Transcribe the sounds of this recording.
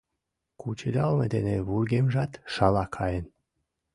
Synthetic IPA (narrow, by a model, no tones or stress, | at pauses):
kut͡ɕed̪ɑlmed̪eneβurɡemʒɑt̪ʃɑlɑkʰɑjen